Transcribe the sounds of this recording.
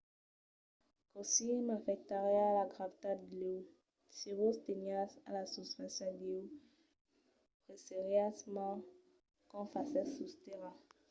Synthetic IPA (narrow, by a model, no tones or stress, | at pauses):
kosimafɛk̚t̪aʁɛalaɡʁavt̪atleu | siʁost̪enjasalasuspɛ̃sjɔ̃deu | pʁeseʁjasma | kɔ̃fasɛsust̪eʁa